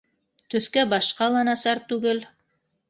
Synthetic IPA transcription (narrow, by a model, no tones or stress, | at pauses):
t̪ɵ̆θkæbɑʃqɑlˠɑnɑsɑɾt̪ʉɡɘl